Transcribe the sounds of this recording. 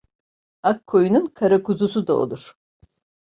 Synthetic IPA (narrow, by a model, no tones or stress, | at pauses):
akʰːojununkʰaɾakuzusud̪ao̰lˠuɾ̥